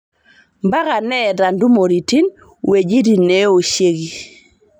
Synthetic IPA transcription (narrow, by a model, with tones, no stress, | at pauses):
mba˦ɣa˨nɛ˦˨da˨ndu˦mo˨ɾi˨ti˦n | we˨d͡ʒi˦di˨ne˦o˨ʃje˦ɡi˨